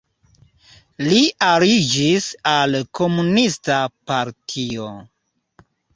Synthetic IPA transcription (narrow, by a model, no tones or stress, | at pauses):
liʔaɾid͡ʒisalkʰo̞munistapaɾtʰio